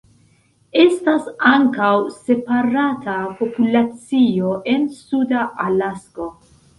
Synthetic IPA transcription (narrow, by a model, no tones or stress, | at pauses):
estasaŋkawse̞paɾatʰapo̞pulat͡sioʔensudaʔalasko̞